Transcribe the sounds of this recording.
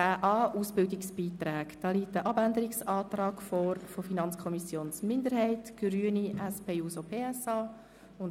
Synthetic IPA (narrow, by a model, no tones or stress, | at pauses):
æːʔɑːuːsb̥ɪldɪksb̥iːt̪ɾɛːkd̥ɑːliːtːəʔɑbændəɾɪksɑːtrɑːkfɔːɾfofinɑnt͡skʰɔmisjoːnsmɪndəɾhɛɪtɡ̥ɾyːəniɛspeːuːsopʰeːɛsɑː | ʊn